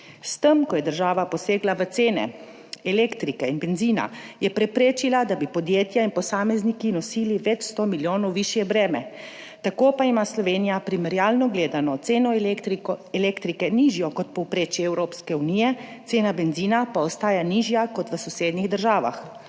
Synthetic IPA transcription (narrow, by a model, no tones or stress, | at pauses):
st̪əmkɔjɛd̪əɾʒaːʋapɔseːɡlaʋət̪seːnɛ̰ | ɛleːkt̪ɾikɛinbɛnziːna̰jɛpɾɛpɾeːt͡ʃilad̪abipɔd̪jeːt̪jainpɔsaːmɛznikinɔsiːliʋɛt͡ʃst̪omiljoːnɔwʋiʃjɛbɾɛːmɛ | t̪akoːpaimaslɔʋeːnijapɾimɛɾjaːlnɔɡleːd̪anɔt̪seːnɔ | ɛleːkt̪ɾikɛniːʒjɔkɔt̪̚pɔwpɾeːt͡ʃjɛɛwɾoːpskɛuniːjɛt̪seːnabɛnziːnapaɔst̪aːjaniːʒjakɔt̪ʋəsɔseːd̪niɣd̪əɾʒaːʋa̰x